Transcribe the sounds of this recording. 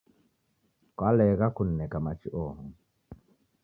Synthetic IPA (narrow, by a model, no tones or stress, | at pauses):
kwalɛɣakunːɛkamat͡ʃiʔɔːhɔ